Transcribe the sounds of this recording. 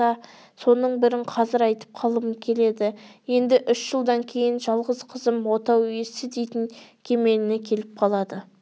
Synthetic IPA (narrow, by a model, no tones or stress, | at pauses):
ɑ | so̞nəɴbɪɾɪɴqʰɑzɪɾɑjt̪ə̥p̚qʰɑlˠəmkʲʰe̞le̞d̪ɪje̞nd̪ɪʔʏʃʒəlˠd̪ɑŋkʲʰe̞jɪnʒɑlˠʁəzqʰəzəmwo̞t̪ɑwjesɪd̪e̞jt̪ɪŋkʲʰe̞me̞lɪne̞kʲʰe̞lɪp̚qʰɑlˠɑd̪ə